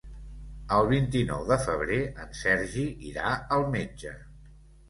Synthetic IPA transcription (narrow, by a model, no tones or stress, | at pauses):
əlˠβ̞int̪inɔ̰wðəfəβ̞ɾeənsɛɾʒiiɾaəlˠmed͡ʒə